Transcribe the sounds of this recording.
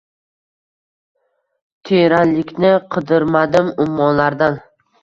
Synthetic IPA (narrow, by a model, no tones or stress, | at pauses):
t̪ʰeɾanlɪkʲnɪqʰɨd̪ɪɾmad̪ɪmʊmːɒnlaɾd̪an